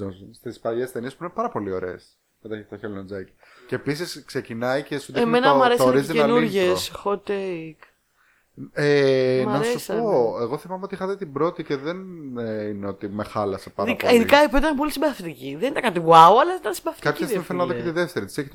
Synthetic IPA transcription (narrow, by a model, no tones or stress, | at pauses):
onsst̪ispɐʎest̪e̞niespuinepɐɾɐpo̞lio̞ɾḛːs | met̪ɐt̪ɐçelinond͡zɐci | ceːpisisksecinɐicesuðemmenɐmɐɾessooɾizt̪ienuɾʝessxot̪ek | emnɐseusoeɣo̞θimɐmeot̪ixɐðit̪ibɾo̞t̪ice̞ðenineo̞t̪imexɐlɐsepɐðɐikɐiðikɐipet̪ɐnp̬o̞lisimbɾɐθit̪iciðenit̪ɐkɐt̪ivuɐuɐlɐiit̪ɐnsimbɾɐθit̪ɐpçɐsifelɐnɐðoket̪iðeft̪eɾit̪i̥seçit̪